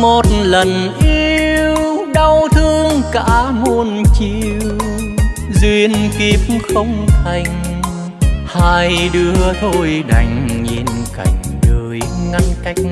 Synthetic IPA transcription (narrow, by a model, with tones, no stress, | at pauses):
mo˨˩t̚lə˨˩nʔi˧wwwɗa˧wt̪ʰɨ˧əŋka̰ː˧˥mo˧nt͡ɕi˧w | zwi˧ənki˦˥p̚xə˧wŋ͡mt̪ʰa˧jŋ̟ | haː˧jɗɨ˧əət̪ʰo˧jɗa̰˨˩jŋ̟ɲi˨˩nka̰˨˩jŋ̟ɗəː˨˩jŋa˧nka˦˥jk̚